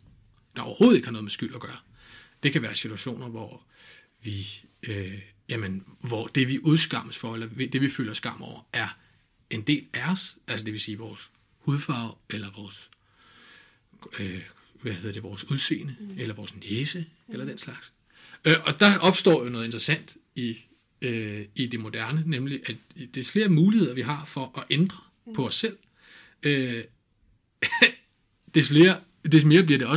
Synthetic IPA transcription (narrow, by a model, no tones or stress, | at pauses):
d̥ɑ̈ɒ̰ʊɐho̝ːð̩ˠe̝ɡ̥hɑnɔ̽ːðˠmesɡ̥yl̰ɐɡ̥ɶːɐ | d̥e̝kʰæʋæːɐsit͡sʰuæɕo̝̰ːnɐʋɒ | ʋiø | jæmənʋɒd̥e̝ʋiʔuð̞ˠsɡ̥ɑ̈m̰əsfɒ̽elɐid̥e̝ʋifø̰ːlɐsɡ̥ɑ̈m̰ɒʊ̰ɐʔæɐ | e̝nd̥e̝̰ːlæɒsʔæls̬əd̥e̝ʋe̝siːʋɒːs | huðˠfɑ̈ʊ̰elɐʋɒːs | ø | ʋæhe̝ð̞̰ˠɐd̥e̝ʋɒːsuð̞ˠse̝̰ːnəelɐʋɒːsneːsəelɐd̥enslɑ̈ɡ̥s | ʔɒ̽d̥ɑ̈ɒ̽b̥sd̥ɒ̰ːjo̝nɔ̽ðˠe̝nd̥ʁɐsæn̰d̥ | i | øid̥e̝mo̝d̥æɐnənemliʔæ̥d̥e̝fle̝ːɐmuːlihe̝ð̰ˠɐʋiɦɑ̈fɒ̽ʔɒ̽ʔend̥ʁɐ | pʰɒ̽ɒsːel̰ | ø | d̥efle̝ːɐ | d̥e̝sme̝ːɐb̥liɐɾ̥e̝ɒ̽